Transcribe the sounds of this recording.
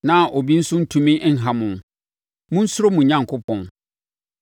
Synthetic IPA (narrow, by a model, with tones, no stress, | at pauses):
nã˨ʔo˨bi˦n̩˦sʊ˦n̩˦tʰũ˨mĩ˦n̩˦ɦã˨mʊ̃˨n | mʊ̃˦n̩˦sʊ˦ɾo˦mũ˨ɲã˦ŋkʰʊ˦pʰɔ̃˨n